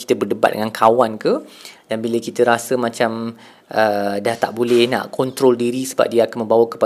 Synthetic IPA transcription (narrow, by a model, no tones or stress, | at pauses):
ki̥t̪əbərdəba̰t̚də̰ŋankʰawankədanbiləkit̪əɾasəmãt͡ʃam | ʔədaht̪aʔbolɛhnã̰ʔkɔnt̪ɾɔldiɾisəba̰p̚diəakanmə̃mbawakə̥pa